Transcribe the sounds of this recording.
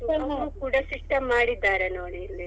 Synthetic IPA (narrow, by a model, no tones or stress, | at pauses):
ukuːɽɐsiʂʈɐmːaːɽid̪ːaːɾenoːɽili